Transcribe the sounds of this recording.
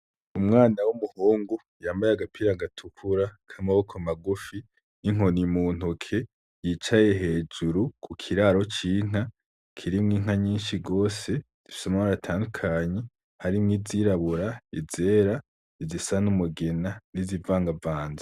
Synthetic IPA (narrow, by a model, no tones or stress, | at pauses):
umŋaːnawumuhuːŋɡu | jaːmbajeaɡapʰiːɾaɡatʰukʰuɾakʰamaβokʰomaɡufi | niŋ̥o̞nimuːn̥ukʰe̞ | jiːt͡ʃaje̞ɦe̞ːd͡ʒuɾukʰukʰiɾaːɾo̞t͡ʃiːŋ̥a | kʰiɾimŋiːŋ̥aɲiːnʃiɡo̞ːse̞ | z̥ifi̥samamaɾatʰaːndukʰaːɲe | haɾimŋiːziɾaβuɾaize̞ːɾa | izisanumuɡe̞nanizivaːŋɡavaːnza